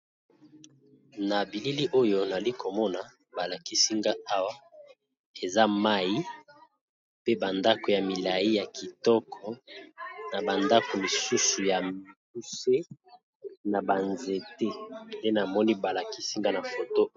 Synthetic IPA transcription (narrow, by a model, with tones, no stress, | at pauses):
na˨bi˨li˦li˦ʔo˦jo˦na˨li˦ko˨mɔ˦na˨ | ba˨la˨ki˦si˦ŋɡa˦a˦wa˦ | e˨za˦ma˦i˦ | pe˦ba˨nda˦ko˨ja˨mi˨la˨ji˦ja˨ki˨tɔ˦kʰɔ˨ | na˨ba˨nda˦ko˨li˨su˦su˨ja˨mi˨ku˦se˦ | na˨ba˨nze˨te˦nde˦na˨mɔ˦ni˦ba˨la˨ki˦si˦ŋɡa˦na˨fo˨to˦